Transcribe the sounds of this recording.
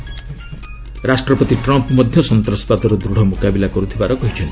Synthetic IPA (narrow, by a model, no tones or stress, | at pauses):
ɾasʈɾɔpɔt̪iʈɾɔmpmɔd̪ʱjɔsɔnt̪ɾɔspat̪ɔɾɔd̪ɾuɽ̤ɔmokabilakɔɾut̪ʰibaɾɔkɔɦit͡ʃʰɔnt̪i̥